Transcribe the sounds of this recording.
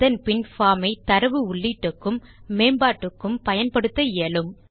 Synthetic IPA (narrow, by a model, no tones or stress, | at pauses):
ðɐnpɪnfaːmɐɪt̪ɐɾɐʋɯʊɭːiːʈːɯkːɯmːeːmbaːʈːɯkːɯmpɐjɐnpɐɽɯt̪ːɐjeːlɯm